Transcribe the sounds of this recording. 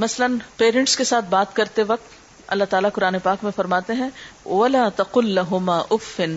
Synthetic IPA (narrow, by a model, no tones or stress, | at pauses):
mɐslənpeːɾə̃ɳʈskesaːt̪̚ʰbaːt̪kɐɾt̪eʋɐk̚t̪ | ɐ̰lːaɦt̪aːlakʊɾaːnepaːkmẽfɐɾmaːt̪eɦɛ̃ʋɐlaːt̪ɐqʊlːɐɦʊmaːʔʊfːɪn